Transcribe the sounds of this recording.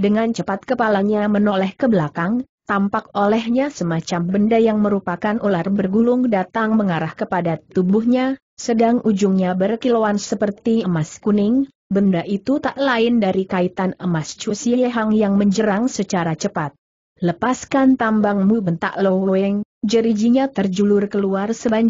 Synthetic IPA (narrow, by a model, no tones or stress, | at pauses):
dəŋant͡ʃəpat̪̚kəpalaɲamənolɛhkəbəlakaŋ | t̪ampakolɛhɲasəmat͡ʃambəndajaŋməɾupakanʔularbərɡulʊŋdat̪aŋməŋaɾahkəpadat̪ubʊhɲa | sədaŋʔud͡ʒʊŋɲabərkilowansəpərt̪iəmaskunɪŋ | bəndaʔit̪ut̪aʔlaɪndaɾikait̪anəmast͡ʃusiɛɦaŋjaŋməɲd͡ʒəɾaŋsət͡ʃaɾat͡ʃəpat̪̚ | ləpaskant̪ambaŋmubənt̪a̰ʔlowoɛŋ | d͡ʒəɾid͡ʒiɲat̪ərd͡ʒulʊrkəluarsəbaɲ